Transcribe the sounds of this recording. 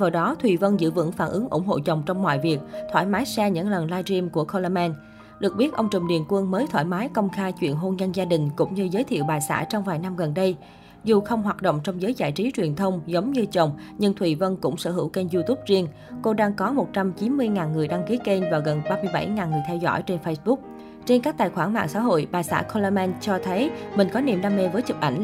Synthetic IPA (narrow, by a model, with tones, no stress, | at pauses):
vaː˨˩ɗɔ˨˦t̪ʰwi˨˩və˧nzɨ̰˧˥vɨ̰˧˥ŋfaː˧˩nʔɨ˨˦əŋʔʊ̰˧˩ŋ͡mɦo̰˧˨t͡ɕə˨˩wŋ͡mt͡ɕɔ˧wŋ͡mmwa̰ː˧˨jvi˨˩ək̚t̪ʰwaː˧˩jmaː˨˦jsɛ˧ɲɨ̰˧˥ŋlə˨˩nlaː˧jzi˧mku˧˩əxo˧la˧mɛ˧n | ɗɨ˨˩ək̚ɓi˦˥t̚ʔə˧wŋ͡mt͡ɕɨ˨˩wŋ͡mɗḭ˨˩ənkwə˧nməː˨˦jt̪ʰwaː˧˩jmaː˨˦jkə˧wŋ͡mxaː˧jt͡ɕwḭ˧˨ənɦo˧nɲə˧nzaː˧ɗï˨˩ŋ̟kʊ̰˧˥ŋ͡mɲɨ˧zəː˨˦jt̪ʰḭ˧˨əwɓaː˨˩jsa̰ː˧˥˩t͡ɕɔ˧wŋ͡mvaː˨˩jna˧mɣə˨˩nɗə˧j | zu˨˩xə˧wŋ͡mɦwaː˨˩t̚ɗo̰˧˨wŋ͡mt͡ɕɔ˧wŋ͡mzəː˨˦jza̰ː˧˩˨jt͡ɕi˨˦t͡ɕwi˨˩ənt̪ʰə˧wŋ͡mzə˨˦wŋ͡mɲɨ˧t͡ɕə̰˧˨wŋ͡mɲɨ˧nt̪ʰwi˧˨˩və˧nkʊ̰˧˥ŋ͡msə̰˧˩ɦɨ̰˧˩wke˧nzu˧t̪u˦˥p̚zi˧ən | ko˧ɗaː˧ŋkɔ˨˦mo˨˩t̚t͡ɕa˧mt͡ɕi˨˦nmɨ˧əjŋaː˨˩nŋɨ˨˩əjɗaː˧ŋki˨˦ke˧nvaː˨˩wɣə˨˩nɓaː˧mɨ˧əjɓa̰˧˩jŋaː˨˩nŋɨ˨˩əjt̪ʰɛ˧wzɔ̰˧˩˨jt͡ɕe˧nfə˧jsɓʊ˦˥k̚ | t͡ɕe˧nkaː˦˥k̚t̪a̰ː˨jxwaː˧˩nma̰ː˧˨ŋsa̰ː˧˥ɦo̰˧˨jɓaː˨˩jsa̰ː˧˥kʰɔ˧la˧mɛ˧nt͡ɕɔ˧t̪ʰə˨˦jmï˨˩ŋ̟kɔ˨˦nḭ˧˩mɗaː˧me˧vəː˨˦jt͡ɕɨ˨˩k̚ʔa˧˩ŋ̟